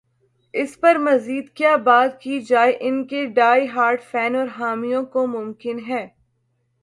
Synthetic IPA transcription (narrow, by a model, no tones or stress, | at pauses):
ɪspɐɾmɐziːd̪kjaːbaːt̪kid͡ʒaːeʔɪnkeɖaːiɦaːɾʈfɛːnɔːɾɦaːmijõkomʊ̃mkɪnɦɛː